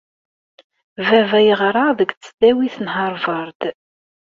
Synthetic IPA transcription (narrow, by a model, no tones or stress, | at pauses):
vævæjəʁɾˤɑðəɡt͡st͡sːd̪æwiθnɦəɾˤvɑɾˤd̪